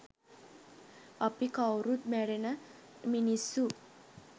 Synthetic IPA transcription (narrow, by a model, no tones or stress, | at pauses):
apikawɾut̪̚mæɖenəminisːu